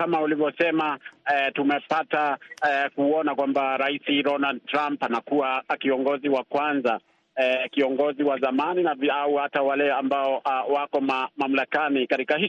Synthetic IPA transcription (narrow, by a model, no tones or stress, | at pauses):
kamaulivjɔsɛmaɛtumɛpatakuɔnakwambaɾaisiɾɔnald̚tɾampanakuakiɔŋɡɔziwakwanza | kiɔŋɡɔziwazamaninaviauhatawalɛambaɔwakɔmamam̩lakanikatikahi